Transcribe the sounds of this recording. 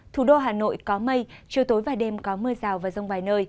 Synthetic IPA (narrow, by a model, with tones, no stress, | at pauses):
t̪ʰu˨˩ɗo˧ɦaː˨˩no̰˧˨jkɔ˨˦mə˧jt͡ɕi˨˧˨əwt̪o˨˦jvaː˨˩jɗe˧mkɔ˨˦mɨ˧əzaː˨˩wvaː˨˩zə˧wŋ͡mvaː˨˩jnəː˧j